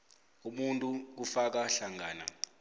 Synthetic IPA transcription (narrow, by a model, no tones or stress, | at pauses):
umuntʼuk̬ufak̬aɬaŋɡaːna̰